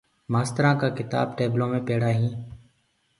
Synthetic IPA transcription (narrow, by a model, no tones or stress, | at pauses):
maːst̪əɾãːkaːkɪt̪a̰ːbʈeːblõːmẽːpeːɽaːɦĩː